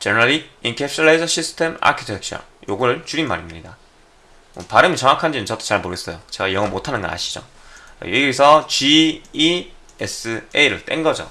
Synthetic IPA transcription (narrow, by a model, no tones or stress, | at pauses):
t͡ɕenʌɾaɾiinkʰepʰt͡ɕʰɯɭːaid͡ʑʌɕʰisʰɯ̥tʰema̰kʰi̥tʰek̚t͡ɕʰʌ̰njoɡuɾɯɭt͡ɕuɾinma̰ɾimɲida | paɾɯmit͡ɕʌŋakʰand͡ʑinɯnt͡ɕʌt͈ʰo̥t͡ɕaɭmoɾɯɡes͈ʌjot͡ɕe̞ɡajʌŋɯɭmotʰanɯnɡʌ̰na̰ɕʰi̥d͡ʑo̰ | jeesʰʌt͡ɕiː | es͈ɯeɾɯɭt͈enɡʌd͡ʑo̰